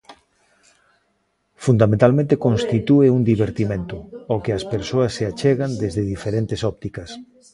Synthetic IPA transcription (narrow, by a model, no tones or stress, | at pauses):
fund̪amẽnt̪almẽnt̪ekõnst̪it̪ueuŋd̪iβeɾt̪imẽnt̪ʊokɪɐspeɾsoɐsːeat͡ʃeɣand̪ezðeðifeɾent̪esɔp̚t̪ikɐs